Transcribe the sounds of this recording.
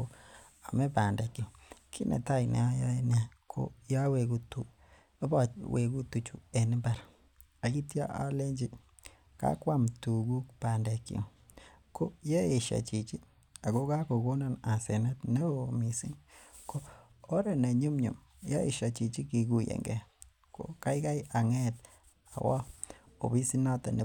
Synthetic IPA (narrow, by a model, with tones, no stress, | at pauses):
o˨ | a˨mɛ˦pa˨nde˨kjo˨kʰi˦nḛ˨ta˦˨inɛ̰˨a˦ja˦e˦na˦kʰo̰˨ja˦we˨ɡu˦tu˦ | ba˦we˨ku˦tu˨t͡ʃu˨e˨nɪ˦mba˦ɾ | a˨ɡi˦tja˦ʔa̰˦le˦ɲd͡ʒi˦ | ka̰˦kwa˦mtu˨ɡu˦kpa˨nde˨ki˦o̰˨ | ko˦je˦e˨ʃa̰˨t͡ʃi˨t͡ʃi˦ | a˨ɡo˦ka˦ko˨ko˦na˦na˨se˨nɛ˦tne˦o˨mi˨sḭ˦nkoː˦ | ɾe˨ne˨ɲu˦mɲṵ˨m | ja˦e˨ʃa˨t͡ʃi˨t͡ʃi˦ki˨ku˨jḛ˨ŋɡɛ˨ | ko̰˨ka˦jka˦ja˨ŋɛ˦t | a̰˨wa˦o̰˨bi˦si˦na˦ta˨ne˨